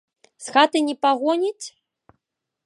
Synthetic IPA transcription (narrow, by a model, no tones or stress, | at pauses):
sxat̪ɨnʲipaɣɔnʲit͡sʲ